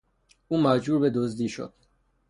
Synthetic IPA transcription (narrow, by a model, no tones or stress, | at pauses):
uːmæd͡ʒbuːɾbed̪ozd̪iːʃo̰d̪̥